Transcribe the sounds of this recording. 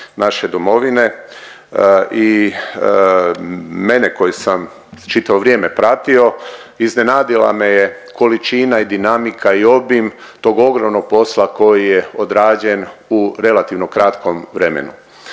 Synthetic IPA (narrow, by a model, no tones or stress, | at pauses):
naʃe̞d̪omo̞ʋine̞ | i | me̞neko̞jisam | t͡ʃit̪aʋoʋɾjeːme̞pɾat̪io̞iznenaːd̪ila̰meje | kʰo̞lit͡ʃinaid̪inamikʰaio̞bimt̪o̞ːɡo̞ɡɾomnoɡ̚po̞slˠako̞jije̞o̞d̪ɾaːd͡ʑe̞nuɾe̞lat̪iʋno̞kɾat̪ko̞mʋɾe̞mḛnṵ